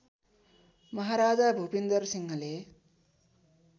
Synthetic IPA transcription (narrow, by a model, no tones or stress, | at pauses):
mʌɦaɾaːd͡zabʱubind̪ʌrsiŋʌle